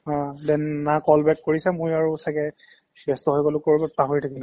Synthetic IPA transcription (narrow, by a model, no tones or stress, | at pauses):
ɔ̃dɛnnakɔlbɛkːoɹisɛmojaɹusakɛ | sɛstɔɦojbɔlʊkoɹibɔpaɦoɹitʰakilʊ̃